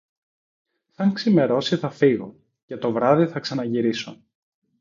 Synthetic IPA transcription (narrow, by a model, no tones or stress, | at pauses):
θɐŋksime̞ɾo̞siθɐfiɣo̞̰ | ce̞t̪o̞vɾɐðiθɐksɐnɐʝiɾiso̞̰